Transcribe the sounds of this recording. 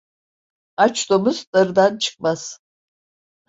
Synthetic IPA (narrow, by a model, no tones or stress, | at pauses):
at͡ʃd̪omuzd̪aɾɯd̪ant͡ʃʰɯ̥k̚maz̥